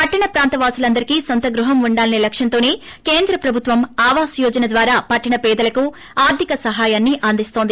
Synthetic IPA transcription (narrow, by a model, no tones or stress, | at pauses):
pɐʈːɐɳɐpɾaːnt̪ɐʋaːsulɐnd̪ɐɾikiːsont̪ɐɡɾuɦɐmuɳɖaːlɐnilɐkʂjɐnt̪oːneːkeːnd̪ɾɐpɾɐbʱut̪ʋɐmaːʋaːsjoːd͡ʒɐnɐd̪ʋaːɾaːpɐʈːɐɳɐpɛːd̪ɐlɐku | aːɾd̪ʱikɐsɐɦaːjaːnːiʔɐnd̪ist̪o̞ːnd̪i